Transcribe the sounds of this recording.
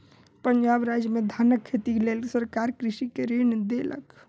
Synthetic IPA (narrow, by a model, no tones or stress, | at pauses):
pəɲd͡ʒabɾad͡ʒjmed̪ʱanəkʰːet̪ilelsəɾkaɾkɾisikeɾend̪elə̰k